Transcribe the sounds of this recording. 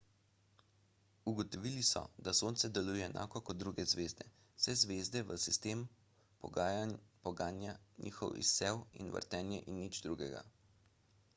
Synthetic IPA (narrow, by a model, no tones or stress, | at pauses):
uɡɔt̪ɔʋiːlisɔ̰d̪asoːnt̪sɛd̪ɛlujɛːnʔa̰ːkɔkɔt̪̚d̪ɾuɡɛzʋeːzd̪ɛ̥ | sɛzʋeːzd̪ɛʋəsist̪eːm | pɔ̰ɡaːjapɔɡaːnjanʔḭːxɔ̰wḭsːɛwḭnʋə̰ɾt̪ɛːnjɛʔinːid͡ʒd̪ɾuːɡɛɡa̰